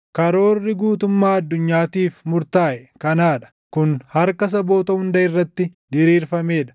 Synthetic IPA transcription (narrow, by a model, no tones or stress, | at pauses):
kɐɾo̞ːrːɪɡuːt̪ʊmːaːɐd̪ːʊɲːaːt̪iːfmʊɾt̪aːʔɛkɐnaːᶑɐ̥ | kʊnhɐɾkɐs̬ɐbo̞ːt̪ɐhʊnd̪ɐɪrːɐt̪ːɪd̪ɪɾiːɾfɐme̞ːᶑɐ̥